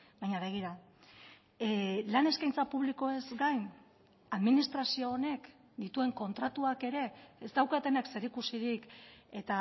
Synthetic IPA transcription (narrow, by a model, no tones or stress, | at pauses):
bajɲaβe̞ɣ̞iɾa | lane̞skajnt͡sapuβliko̞e̞zɡajn | aðminist̪ɾasio̞ːne̞k | d̪it̪ue̞ŋko̞nt̪ɾat̪uake̞ɾe̞ːst̪awkat̪e̞nakse̞ɾikusiɾike̞t̪a